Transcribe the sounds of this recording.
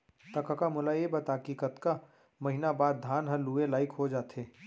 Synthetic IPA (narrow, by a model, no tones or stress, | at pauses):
t̪ɐkakamʊlaebɐt̪akiːkət̪ka | mɐɦɪnabaːd̪̚ːʱaːnɦɐ̃luːelaːɪkɦod͡ʒaːt̪eː